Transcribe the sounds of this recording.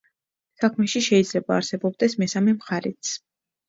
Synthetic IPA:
sakʰmɛʃiʃɛid̪zlɛbaːɾsɛbɔb̚d̪ɛsmɛsamɛmχaɾɛt̪sʰ

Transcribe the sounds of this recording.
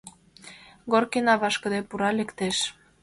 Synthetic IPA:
ɡorkinɑβɑʃkə̆d̪epuɾɑlĕkt̪eʃ

